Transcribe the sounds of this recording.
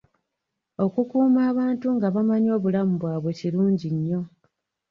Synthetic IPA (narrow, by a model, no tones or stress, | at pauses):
o̞kukuːmaːβaːntuŋɡaβamaɲo̞ːβulamuβwaːβwe̞ciluːɲɟiɲːo̞